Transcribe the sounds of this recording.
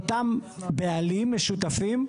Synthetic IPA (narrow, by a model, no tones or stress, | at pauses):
t̪ambealimːeʃut̪afim